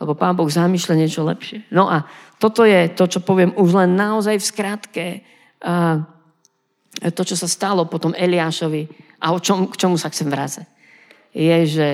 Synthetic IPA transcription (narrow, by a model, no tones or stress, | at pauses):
lɛbɔpaːnbɔɣzamiːʃlaɲɪɛt͡ʃɔlɛ̰pʃɪɛnɔʔat̪ɔt̪ɔjɛt̪ɔt͡ʃɔpɔʋɪɛmuʒlɛnːaɔzajfskɾat̪kɛ | t̪ɔt͡ʃɔsast̪alɔpɔt̪ɔmɛliaːʃɔʋiʔaɔt͡ʃɔmkt͡ʃɔmusaxt͡sɛmʋɾat͡sac̚ | jɛʒɛ